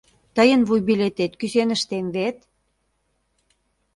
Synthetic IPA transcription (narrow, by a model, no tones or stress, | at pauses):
t̪əjənβujbilet̪et̪kysenə̆ʃt̪emβet̪